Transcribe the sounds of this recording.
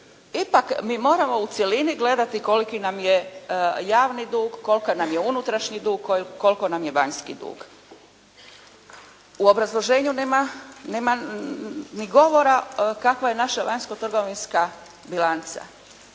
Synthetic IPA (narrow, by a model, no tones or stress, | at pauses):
ipakmiːmo̞ːɾamo̞ut̪sje̞liniɡle̞d̪at̪ikolikinamjejaːʋnid̪uːɡːo̞lkanamjeunut̪ɾaʃɲid̪uːɡ̚koko̞lko̞namjeʋaɲskid̪ṵːɡ̥ | uo̞bɾazlˠo̞ʒe̞ːɲuneːmaneːma | niɡo̞ʋo̞ɾakakʋaje̞naʃaʋaɲsko̞t̪r̩ɡo̞ʋinska | bilˠant̪sa̰